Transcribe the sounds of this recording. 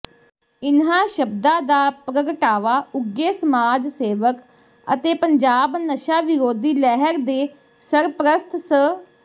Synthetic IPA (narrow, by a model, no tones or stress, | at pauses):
ɪnɦãːʃəbd̪ãːd̪aːpɾəɡəʈaːʋaːʊɡeːsəmaːd͡ʒseːʋək | ə̰t̪eːpəɲd͡ʒaːbnəʃaːʋɪɾoːd̪iːlɛɦəɾd̪eː | səɾpɾəst̪ʰsə